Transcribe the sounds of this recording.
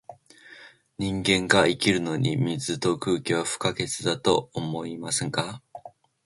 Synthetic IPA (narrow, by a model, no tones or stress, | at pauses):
ɲĩŋɡẽ̞ŋɡaikʲiɾɯ̟no̞ɲ̟imʲizɨt̪o̞kɯ̟ːkʲiβaɸɯ̟̥kaɡe̞t͡sɨd̪at̪o̞omo̞imasẽŋka